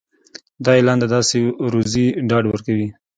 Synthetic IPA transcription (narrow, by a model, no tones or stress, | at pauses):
d̪ɑelɑnd̪ad̪ɑseɾuziɖɑɖwəɾkawi